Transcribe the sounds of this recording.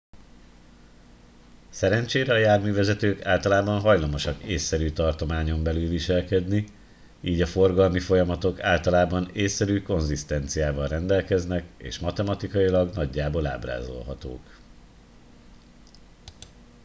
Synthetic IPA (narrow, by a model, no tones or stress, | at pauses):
sɛɾɛnt͡ʃeːɾɛɒjaːrmyːvɛzɛt̪øːkaːlt̪ɒlaːbɒnɦɒjlɒmo̞ʃɒkeːsːɛɾyːt̪ɒrt̪o̞maːɲo̞mbɛlylviʃɛlkɛd̪ni | iːɟɒfo̞rɡɒlmifo̞jɒmɒt̪o̞kaːlt̪ɒlaːbɒneːsːɛɾyːko̞nzist̪ɛnt̪sijaːvɒlrɛnd̪ɛlkɛznɛkḛːʃmɒt̪ɛmɒt̪ikɒjilɒɡnɒɟːaːbo̞la̰ːbra̰ːzo̞̰lɦɒt̪o̰ːk